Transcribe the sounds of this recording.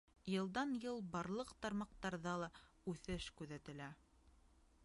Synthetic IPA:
jɤ̆lˠd̪ɑnjɤlˠbɑɾlˠɤqt̪ɑɾmɑq̚t̪ɑɾðɑlˠɑ | ʉθɘʃkʉðæt̪ɘ̆læ

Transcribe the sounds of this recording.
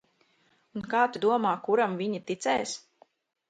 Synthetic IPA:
unkaːt̪ud̪uɔmaːkuɾamviɲit̪it̪sɛjs

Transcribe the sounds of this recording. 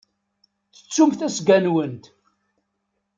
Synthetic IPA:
θə̥t͡sːumθæsɡænwənt̪

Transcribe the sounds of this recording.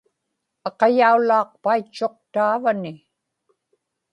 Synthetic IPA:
ɑqɑjaulɑːq̚pait͡ʃːo̞q̚t̪aːvanɪ

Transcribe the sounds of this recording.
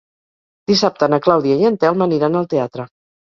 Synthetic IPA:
d̪̥isap̚t̪ənəklawðiəjənt̪ɛlˠməniɾanəlˠt̪eat̪ɾə

